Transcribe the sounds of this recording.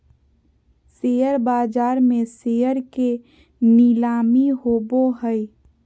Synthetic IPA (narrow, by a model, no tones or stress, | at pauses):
sejəɾbaːd͡ʒaːɾmẽsejəɾke | nilaːmiɦoboɦəi